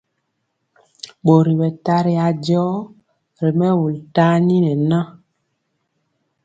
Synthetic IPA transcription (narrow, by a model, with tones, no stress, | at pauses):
ɓo˨ɾi˨wɛ˨ta˦ɾi˦a˨d͡ʒɔ˦ | ɾe˨mɛ˦wo˨lta˦ni˦nɛ˨nã˦